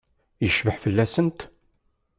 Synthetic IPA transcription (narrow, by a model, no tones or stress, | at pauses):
jəʃvəħfəlːæsənt̪